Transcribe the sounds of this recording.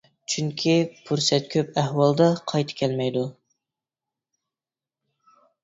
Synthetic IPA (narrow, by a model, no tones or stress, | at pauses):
t͡ʃʰyŋkʲʰipʰuɾsɛt̪̚kʲʰøpæhwɑlˠd̪ɑqʰɑjt̪ʰɨ̥kʲʰɛlmɛjd̪u